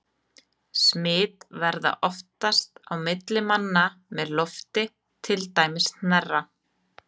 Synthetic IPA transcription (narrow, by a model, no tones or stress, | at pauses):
smɪːt̪vɛɾða̰ʔɔft̪ast̪awmɪt̪lɪmanːamɛðlɔft̪ɪ | t̪ʰɪlt̪aːjmɪst̪nɛrːa